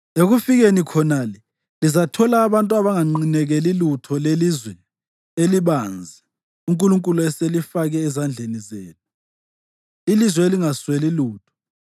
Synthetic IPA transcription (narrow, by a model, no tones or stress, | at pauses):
eɣufiɣenikʰɔnalɛ | lizatʰɔlaːβantʼuaβaŋaŋ͡ǃinɛɣɛlilutʰɔlelizwɛ | eliɓand͡zʱɛ | uŋkʼuluŋkʼuluɛselifaɣɛːzand͡ɮʱenizeːtʰu̥ | ilizwɛeliŋasweliluːtʰɔ̥